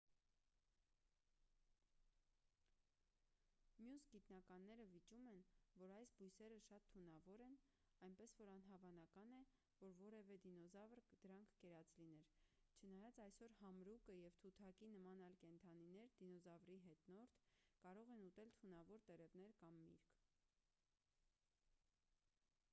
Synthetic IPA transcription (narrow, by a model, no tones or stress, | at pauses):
mjusɡit̪nɑkɑnːɛɾəvit͡ʃumɛnvɔɾɑjsbujsɛɾəʃɑt̪ʰːunɑvɔɾɛn | ɑjnpɛsvɔɾɑnɦɑvɑnɑkɑnɛ | vɔɾvɔɾɛvɛd̪inɔzɑvɾd̪̥əɾɑŋkʰkɛɾɑt͡sʰlinɛɾt͡ʃʰənɑjɑt͡sɑjsɔɾhɑmɾukəjɛvt̪ʰut̪ʰɑkinəmɑnɑjlkɛnt̪ʰɑninɛɾd̪inɔzɑvɾiɦɛt̪nɔɾt̪ʰkɑɾɔʁɛnut̪ɛlt̪ʰunɑvɔɾt̪ɛɾɛvnɛɾkɑmːḭɾkʰ